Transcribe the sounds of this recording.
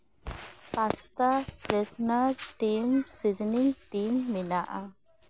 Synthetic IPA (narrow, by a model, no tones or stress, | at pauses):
past̪apɾɛsnaɾʈiːmsid͡ʒniŋɡʈiːmːinaʔa